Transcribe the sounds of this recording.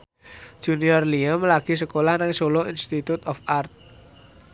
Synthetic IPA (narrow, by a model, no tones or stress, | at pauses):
d̥ʒ̥uniɔrliəmlaɡ̥i̤səkolahnaŋsoloinst̪it̪ut̪ɔfart̪̚